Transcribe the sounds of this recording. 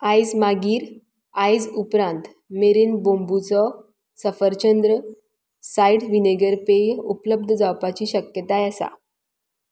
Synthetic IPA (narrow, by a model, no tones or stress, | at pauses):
ajd͡zmaɡiːɾ | ajd͡zupɾãnt̪ | meɾiːnbõmbut͡sɔ | səfəɾt͡ɕənd̪ɾə | saiʈʋineɡəɾpejṵpləb̚d̪ʱd͡zawpat͡ɕiːɕəkjət̪ajɛsa̰